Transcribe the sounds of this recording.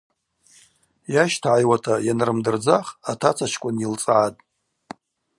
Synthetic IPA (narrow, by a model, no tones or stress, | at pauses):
jaʃtʰaʕajwatʰajanrɨmdɨrd͡zaχatʰat͡sʰat͡ʃʰkʷʼʊnilt͡sʼʕatʼ